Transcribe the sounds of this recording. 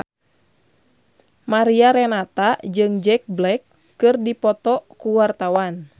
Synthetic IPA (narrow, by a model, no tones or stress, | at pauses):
maɾiaɾɛnat̪ad͡ʒɨŋd͡ʒɛk̚blɛkː | ɨrdipɔt̪ɔkuwart̪awan